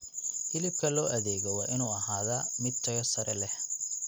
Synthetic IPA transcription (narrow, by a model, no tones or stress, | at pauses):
dɪlɪb̚kʰɐlɔːʔɐðɛːɣɔwɑːʔɪnuːɐɦaːðamɪd̪̚t̪ʰɐjɐsɐɾɛlɛh